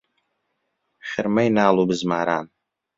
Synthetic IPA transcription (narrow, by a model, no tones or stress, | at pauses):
χʲɪrmajnaːlobɨzmaːɾa̰ːn